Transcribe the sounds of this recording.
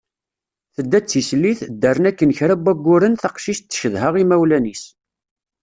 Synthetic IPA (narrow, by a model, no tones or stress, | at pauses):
θəd̪ːæt͡sːislːiθd̪ːærˤənækːənçɾæbæɡʷːʊɾənθɑqʃiʃt̪ːə̥çəðɦəʁimæwlænis